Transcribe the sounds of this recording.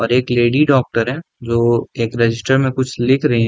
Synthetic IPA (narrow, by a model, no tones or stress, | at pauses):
ɔːɾeːkleːɖiɖɔːk̚ʈəɾɦɛ̃ː | d͡ʒoːeːkɾɛd͡ʒɪsʈəɾmẽkʊt͡ʃʰlɪkʰɾɐɦiɦɛ̃